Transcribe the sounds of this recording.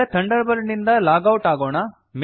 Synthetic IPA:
ɐt̪ʰɐɳɖɐɾbɐɾnind̪ɐlaːɡɐwʈaːɡoːɳɐ | m

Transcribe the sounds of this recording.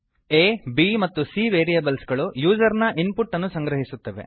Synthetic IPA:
eːbimɐt̪ːusiʋeːɾijɐbɐlsɡɐɭujuːd͡ʒɐɾnɐʔinpuʈːɐnːusɐŋɡɾɐɦisut̪ːɐʋe̞̰

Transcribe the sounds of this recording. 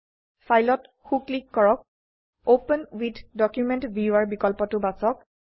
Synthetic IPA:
fajlɔt | xuklikːɔɹɔk̚ | opənwidʰdɔkjumentbiuaɹbikɔlpɔtʊbasɔk̚

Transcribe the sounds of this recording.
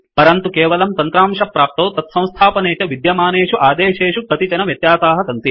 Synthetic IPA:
pɐɾɐnt̪ukeːʋɐlɐmt̪ɐnt̪ɾaːmʂɐpːɾaːp̚t̪ɐwt̪ɐt̪sɐ̃w̃st̪ʰaːpɐneːt͡ʃɐʋid̪jɐmaːneːʂuʔaːd̪eːʃeːʂukɐt̪it͡ʃɐnɐʋjɐt̪jaːsaːɦɐsɐnt̪i

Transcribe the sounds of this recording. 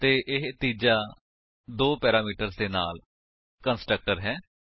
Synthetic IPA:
t̪eːʔɪɦt̪iːd͡ʒaː | d̪oːpɛːɾaːmiːʈəɾzd̪eːna̰ːl | kənsʈɾək̚ʈəɾɦɛː

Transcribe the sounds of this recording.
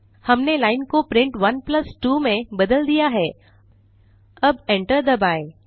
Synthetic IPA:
hɐmnelaːɪnkopɾɪ̃ɳʈʋɐnplɐsʈuːmẽbɐd̪əld̪ijaɦɛː | ɐbẽɳʈəɾd̪əbaːe

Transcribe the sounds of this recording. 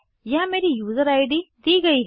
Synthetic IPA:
jɐɦmeːɾijuːzəɾaːɪɖid̪iːɡɐiɦ

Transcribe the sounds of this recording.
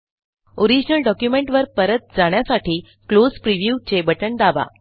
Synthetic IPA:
oɾid͡ʑnəlɖɔkjumeɳʈʋəɾpəɾət̪̚d͡zaɽ̃jasaʈiː | klod͡zpɾiʋjut͡ɕebəʈəɳd̪aʋa̰

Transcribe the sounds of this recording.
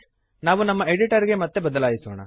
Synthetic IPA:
naːʋunɐmːɐeɖiʈɐɾiɡemɐt̪ːebɐd̪ɐlaːjisoːɳɐ̰

